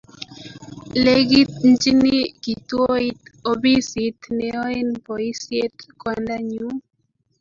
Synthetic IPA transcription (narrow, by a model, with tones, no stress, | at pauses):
le˦ɡi˦t̪̚nd͡ʒi˦ni˦ki˨t̪wo˦i˦t̪o˨bi˦si˨t̪nɛ˨ɔ˦e˦npɔ˨i˦sje˦t̪kwanda˦ɲu˦